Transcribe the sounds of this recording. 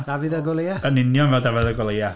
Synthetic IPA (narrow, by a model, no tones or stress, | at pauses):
d̥avɪðəɡɔlˠeaənɪnjɔnvɛlˠdavɪðəɡɔlˠeja